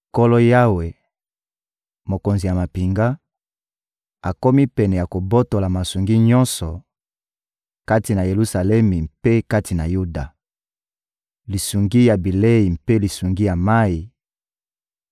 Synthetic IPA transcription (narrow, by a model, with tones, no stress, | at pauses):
ko˦lo˦ja˦we˨ | mo˨ko˨nzi˨ja˨ma˨pi˨ŋɡa˦ | a˨ko˦mi˦pɛ˨nɛ˨ja˨ko˨bo˦to˨la˨ma˨su˨ŋɡi˦ɲɔ̃˦nsɔ˨ | ka˦ti˨na˨je˨lu˦sa˨lɛ˦mi˨mpe˦ka˦ti˨na˨ju˦da˨ | li˨su˨ŋɡi˦ja˨bi˨le˦i˨mpe˦li˨su˨ŋɡi˦ja˨ma˦i˨